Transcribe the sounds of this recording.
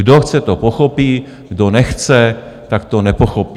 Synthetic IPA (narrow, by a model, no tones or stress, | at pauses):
ɡdoxt͡sɛt̪opoxopiː | ɡdonɛxt͡sɛ | t̪akt̪onɛpoxopi